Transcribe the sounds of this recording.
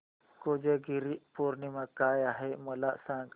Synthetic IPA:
kod͡ʒeɡiɾipoɾnimãkaːjaɦemɐlaʔsãːŋɡ

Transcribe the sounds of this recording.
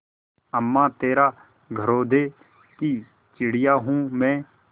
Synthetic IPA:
əmːãːt̪eːɾaː | ɡʱəɾoːd̪eː | ki | t͡ʃɪɽɪjaːɦũːmɛ̃ː

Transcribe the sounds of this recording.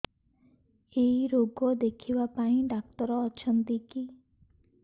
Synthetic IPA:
eiɾoɡɔd̪ekʰibapaĩɖak̚t̪ɔɾɔːt͡ʃʰɔnt̪iki

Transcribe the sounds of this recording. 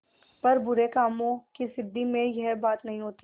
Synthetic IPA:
pɐɾbʊɾekaːmõkisɪd̪ʱːimẽjɛɦbaːt̪nɐɦĩɦoːt̪i

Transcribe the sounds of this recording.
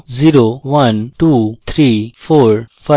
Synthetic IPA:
ziɾoʋɐnʈuːt̪ʰɾifoːɾfa

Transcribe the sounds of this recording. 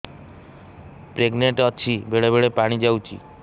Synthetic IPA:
pɾeɡneɳʈɔt͡ʃʰibeɽɭeβeɽepaɽ̃id͡ʒawt͡ʃʰḭ

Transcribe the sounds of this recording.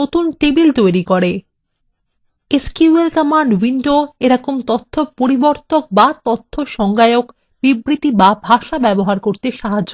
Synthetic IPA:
ot̪unʈebilt̪ojɾikoɾe | eskuuelkamaɳɖwiɳɖoeɾɔkomt̪ot̪ʰːopoɾiboɾt̪ok̚bat̪ot̪ʰːoʃɔŋɡaeok | b̥ibɾit̪ibabʱaʃabɛboɦaɾkoɾt̪eʃaɦao

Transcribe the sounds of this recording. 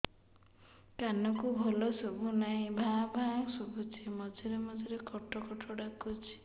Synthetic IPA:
kanɔkubʱɔlɔsubʱunaɦĩbʱãbʱãsubʱut͡ʃʰimɔd͡ʒʱiɾemɔd͡ʒʱiɾekʰɔʈɔkɔʈʰɔɽakut͡ʃʰi̥

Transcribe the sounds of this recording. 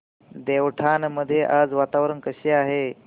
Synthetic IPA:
d̪ewʈʰanməd̪ʱjeʔad͡zʋat̪aʋɾənkəɕeaɦe

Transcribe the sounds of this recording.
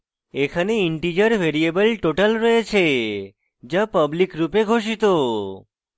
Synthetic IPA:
ekʰəneiɳʈid͡ʒəɾʋeɾiebəlʈoʈəlɾəet͡ʃʰe | d͡ʒapəblikɾupeɡʱoʃ̬it̪o

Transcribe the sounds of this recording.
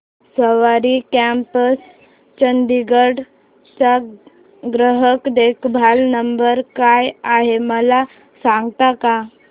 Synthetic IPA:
səʋaɾikæmpəs | t͡ɕənd̪iɡəɽ | t͡ɕa | ɡɾəɦəkd̪ekbʱalnəmbəɾkajaɦeməla | sãŋɡt̪aka

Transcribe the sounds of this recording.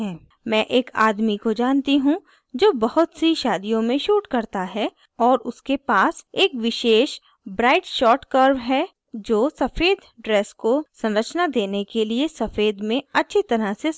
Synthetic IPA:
ɦɛ̃ː | mɛ̃ːʔeːkaːd̪mikod͡ʒaːnt̪iɦũ | d͡ʒoːbɐɦʊt̪siʃaːd̪ijõmẽʃuːʈkɐɾt̪aɦɛ | ɔːɾʊskepaːseːkʋɪʃeːʃ | bɾaːɪʈʃɔːʈkəɾʋɦɛ | d͡ʒoːsɐfeːd̪ɖɾeːskosɐ̃nɾət͡ʃnad̪eːnekeliesɐfeːd̪mẽɐtːʃʰit̪ɐɾase

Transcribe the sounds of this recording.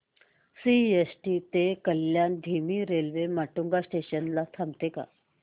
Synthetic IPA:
siesʈiːt̪ekəljand̪ʱimiːɾelʋemaʈuŋɡasʈeɕənlat̪ʰamt̪eka̰

